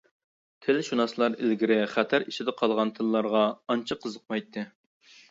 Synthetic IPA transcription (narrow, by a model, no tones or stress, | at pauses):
t̪ʰɪlɪʃunɑslˠɑɾɪlɡʲiɾɪχæt̪ʰæɾiʃɪd̪ɪqʰɑlˠʁɑnt̪ʰɨlːˠɑɾʁɑɑnt͡ʃʰɑqʰəzəq̚mɑjt̪ʰːɨ